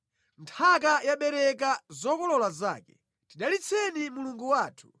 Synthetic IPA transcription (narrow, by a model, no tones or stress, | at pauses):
ntʰak̬ajaɓɛɾɛkazɔkɔlɔlaza̰ːkɛ | tiɗalit͡sʰɛnimuluŋɡuwaːtʰu̥